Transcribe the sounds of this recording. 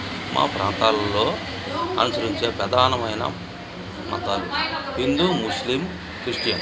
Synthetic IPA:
mʔa̰ːpɾa̰ːnt̪aːllːo̞ː | ɐnusɐɾiɲt͡ʃeːpɾɐd̪ʱaːnɐmɐjnɐ̰ | mɐ̰t̪aːluɦind̪umuslim | kɾiʂʈjɐm

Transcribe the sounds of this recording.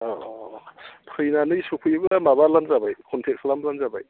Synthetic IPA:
ɔ | pʰɯjnanɯjsukʰujbɯmabalanzabajkʰɔntʰek̚slamlanzabaj

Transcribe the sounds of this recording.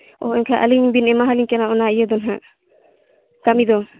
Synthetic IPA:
ɔ̰ɛɲkʰaʔa̰liɲbinɛmaɦaliŋkɛnaɔnaijəd̪ɔnɦaʔ | kamid̪ɔ

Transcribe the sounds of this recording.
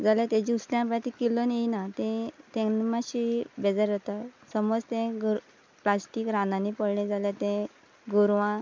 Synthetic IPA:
d͡zaljat̪ẽd͡ʑiusljãpat̪ikilonjeinat̪ẽt̪ẽmaɕibɛd͡zaɾət̪asəmɔd͡zt̪ẽɡɾ | plasʈiːkɾanãnipəɽɳẽd͡zaljat̪ɛ̃ | ɡuɾʋã

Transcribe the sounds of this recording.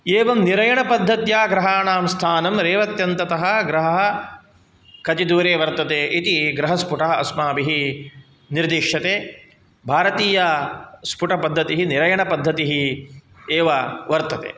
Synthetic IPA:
eːʋɐmniɾɐjɐɳɐpɐd̪ʱːɐt̪jaːɡɾɐɦaːɳaːmst̪ʰaːnɐmɾeːʋɐt̪jɐnt̪ɐt̪ɐɦɐ̆ɡɾɐɦɐɦɐ̆ | kɐt͡ʃid̪uːɾeːʋɐɾt̪ɐt̪eːʔit̪iɡɾɐɦɐspuʈɐɦɐɐ̰smaːbiɦi | niɾd̪iːʂɐt̪eː | bʱaːɾɐt̪iːjɐspuʈɐpɐd̪ʱːɐt̪iɦiniɾɐjɐɳɐpɐd̪ʱːɐt̪iɦi | eːʋɐʋɐɾt̪ɐt̪ḛː

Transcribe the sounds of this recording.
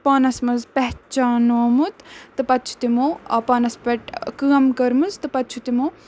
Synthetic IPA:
paːnɐsmɐzpɛɦt͡ʃaːnoːmut̪t̪ɨpɐt̪ːt͡ʃʰu̥t̪imoɐpaːnɐspɐʈkɨːɐmkɐɾmuzt̪ɨpɐt̪ːt͡ʃʰut̪imo

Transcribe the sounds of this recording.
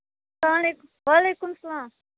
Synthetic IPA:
laːmleːkʋaːlejkʊmsɐlaːm

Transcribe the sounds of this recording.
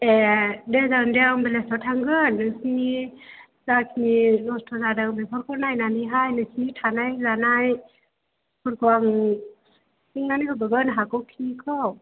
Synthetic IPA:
ɛdɛzawndɛambelɛstɔtʰaŋɡɯnːɯsii | zakʰininɔstʰɔzadaŋbɛpʰɔɾkʰɔnajnanɯɦajnɯsitʰanajzanaj | pʰɔɾkʰɯwaŋ | siŋnanikʰɔbɯɡɯnɦakɔkʰikʰɔw

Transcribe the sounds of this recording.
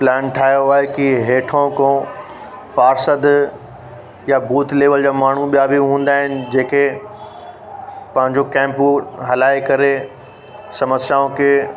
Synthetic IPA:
plɛːnʈʰaːɦjoaːɦekiɦeːʈʰõkõː | paːɾsəd̪ | jabʱuːt̪leːʋəld͡ʑaːmaːɳ̤uɓijabiɦũːn̆d̪aːɦɪnɪ̆d͡ʑeːke | pɐ̃ɦɪ̃ɲd͡ʑokɛ̃ːmpɦɐlaːikɐɾe | sɐməsjaːõke

